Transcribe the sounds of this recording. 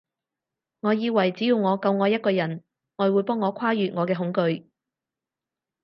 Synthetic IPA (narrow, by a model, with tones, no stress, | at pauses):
ŋɔː˨˧jiː˧wɐ˨˩jt͡siː˨˥jiː˧wŋɔː˨˧kɐ˧wŋɔː˨˧jɐ˥t̚kɔː˧jɐ˨˩n | ŋɔː˨˧jwuː˨˧jpɔː˥ŋːɔː˨˧kʷʰaː˥jyː˨t̚ŋɔː˨˧kɛː˧ɦʊ˨˥ŋkɵ˧ɥ